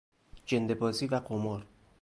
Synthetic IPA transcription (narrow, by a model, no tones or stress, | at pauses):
d͡ʒend̪ebɒːziːvæqomɒɾ